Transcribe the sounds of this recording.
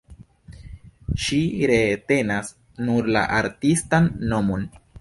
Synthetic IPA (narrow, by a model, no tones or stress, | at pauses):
ʃiɾete̞nas | nuɾla̰ʔaɾtistanːo̞mo̞n